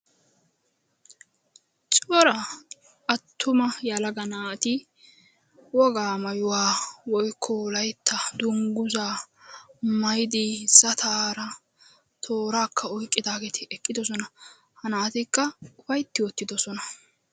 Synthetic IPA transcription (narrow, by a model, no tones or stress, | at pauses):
t͡ʃʼɔɾɐ | ʔɐt̪ʰːʊmɐjɐlɐɡɐnaːt̪ɪ | wɔɡaːmɐjʊwaːwɔjkʰːɔlɐjt̪ːɐd̪ʊŋɡʊzaː | mɐjɪd̪ɪsɐt̪ʰaːɾɐ | t̪ʰoːɾaːkːɐɔjkʼːɪd̪aːɡet̪ʰɪɛkʼːɪd̪ɔs̬ɔnɐ | hɐnaːt̪ɪkːɐʊfɐjt̪ːɪwɔt̪ːɪd̪ɔsɔnɐ